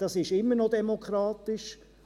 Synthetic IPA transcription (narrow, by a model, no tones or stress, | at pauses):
d̥ɑsɪʃɪmːəɾnodɛmokʰɾɑːt̪ɪʃ